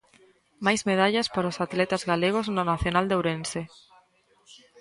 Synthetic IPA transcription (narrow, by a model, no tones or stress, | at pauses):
majzmeð̞aʎaspaɾʊsat̪let̪azɣaleɣ̞oznonaθjonald̪ewɾense